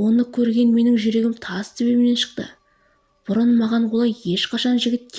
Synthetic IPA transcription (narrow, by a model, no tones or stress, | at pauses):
wo̞nəkʲʰɵɾɡʲe̞nme̞nɪŋʒʏɾe̞ɡʲɪmt̪ʰɑsse̞βe̞bɪne̞nʃə̥qt̪ə̰ | b̥ʊɾənmɑʁɑnwolˠɑje̞ʃqʰɑʃɑnʒɪɡʲɪt̪̚kʲʰ